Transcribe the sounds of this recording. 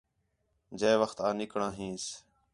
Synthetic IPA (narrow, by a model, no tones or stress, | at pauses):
d͡ʒeːʋəxt̪aːnɪkɳãːɦĩːs